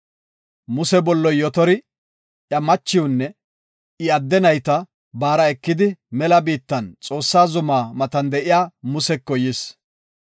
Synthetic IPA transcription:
mʊsɛbɔlːɔjɔt̪ɔɾɪ | ʔjɐmɐt͡ʃːɪwʊnːɛ | ɪɐd̪ːɛnɐjt̪ɐ | baːɾɐɛkːɪd̪ɪmɛlɐbiːt̪ːɐnt͡sʼo̞ːsːaːzʊmaːmɐt̪ɐnd̪ɛʔɪjaːmʊsɛkːɔjɪs

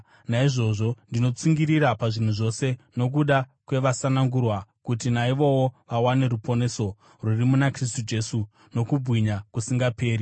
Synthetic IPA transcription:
naiʐo̞ʐo̞ndino̞t͡siŋɡiɾiɾapaʐin̤uʐo̞se̞no̞k̬uɗakwe̞ʋasanaŋɡurwakut̬inaiʋo̞woʋawane̞ɾupo̞ne̞so̞ | rurimunakris̬tud͡ʒe̞su | no̞kubʱwiɲakusiŋɡape̞ːɾi

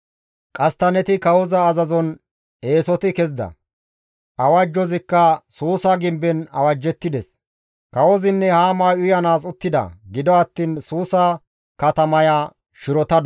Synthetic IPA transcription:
kʼɐst̪ɐnɛt̪ɪkɐwɔzɐːzɐzɔn | e̞ːsɔt̪ɪkɛzd̪ɐ̰ | ʔɐwɐd͡ʒːɔzɪkːɐsuːsɐɡɪmbːɛnɐ̰wɐd͡ʒːɛt̪ːɪd̪ɛs | kɐwɔzɪnːɛhaːmaːjʊjɐnaːs̬ʼʊt̪ːɪd̪ɐ̰ɡɪd̪ɔɐt̪ːiːnsuːsɐ | kɐt̪ɐmɐja | ʃɪɾɔt̪ɐd̪

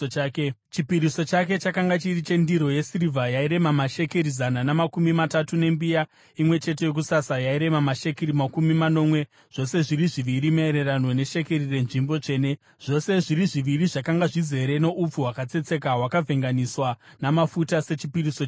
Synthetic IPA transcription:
aːke | t͡ʃipiɾiso̞t͡ʃake̞t͡ʃakaŋɡat͡ʃirit͡ʃe̞ndiɾo̞je̞sirivʱajaiɾe̞mamaʃe̞keɾizananamakumimatatune̞mbija | imwe̞t͡ʃe̞t̬e̞jo̞k̬usasajaiɾe̞mamaʃe̞keɾimakumimano̞ːmwe̞ | ʐ̥o̞se̞ʐiɾiʐiʋiɾimaeɾe̞ranwo̞ne̞ʃe̞ke̞rire̞nʐimbo̞t͡ʂe̞ːne | ʐ̥o̞se̞ʐiriʐiʋiriʐakaŋɡaʐize̞ɾe̞ne̞ʔup͡fuɦwakat͡se̞t͡se̞k̬awakavʱe̞ŋɡaniswanamafutase̞t͡ʃipiriso

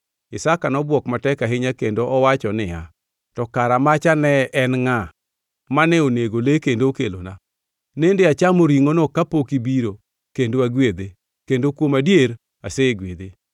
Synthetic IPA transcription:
ɪsakanɔbwɔkmatɛkaɦɪɲakendoʔɔwat͡ʃɔnɪja | tɔkaɾamat͡ʃanɛnŋa | manɛoneɡolekendokelo̰na̰ | nendeat͡ʃamoɾiŋonokapokibiɾo | kendoaɡwed̪e | kendokwomadjeɾ | aseɡwed̪e

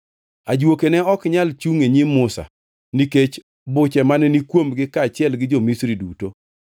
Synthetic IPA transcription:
ad͡ʒwokenɛɔkɲalt͡ʃuŋeɲimʊsa̰ | niket͡ʃ | bʊt͡ʃɛmanɛnikwomɡɪkat͡ʃɪɛlɡɪd͡ʒomisɾiduto

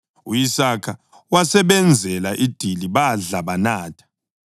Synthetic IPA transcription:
ujisakʰa | wasɛβɛnd͡zʱɛlaʔid̥ʱiliβaɮaβanaːtʰḁ

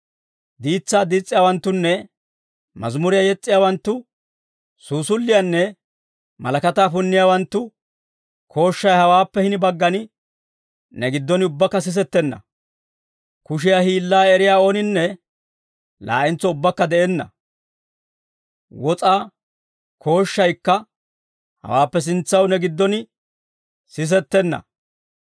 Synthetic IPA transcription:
d̪iːt͡sːaːd̪iːt͡sʼːɪjaːwɐnt̪ːʊnːɛ | mɐ̰zmʊɾɪjajɛt͡sʼːɪjaːwɐnt̪ːʊ | suːsʊlːɪjanːɛ | mɐlɐkɐt̪aːfʊnːɪjaːwɐnt̪ːʊ | kʰo̞ːʃːɐjhɐwaːpːɛhɪnɪbɐɡːɐnɪ | nɛɡɪd̪ːɔnɪʊbːɐkːɐs̬ɪs̬ɛt̪ːɛnːɐ̰ | kʊʃ̬ɪjaːhiːlːaːɛɾɪjaːo̞ːnɪnːɛ | la̰ːʔɪnt͡sːɔʊbːɐkːɐd̪ɛʔɛnːɐ̰ | wɔt͡sʼaː | kʰo̞ːʃːɐjkːɐ | hɐ̰waːpːɛs̬ɪnt͡sːɐwnɛɡɪd̪ːɔnɪ | sɪs̬ɛt̪ːɛnːɐ̰

